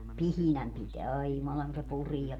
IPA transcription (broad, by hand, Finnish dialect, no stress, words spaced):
pihinæm piteæ ɑi jumɑlɑŋ ku se puriɛ